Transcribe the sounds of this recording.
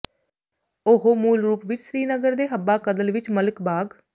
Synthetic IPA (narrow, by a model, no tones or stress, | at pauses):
oɦoːmuːlɾuːpʋɪt͡ʃsɾiːnəɡəɾd̪eːɦəbaːkəd̪əlʋɪt͡ʃmələkbaːɡ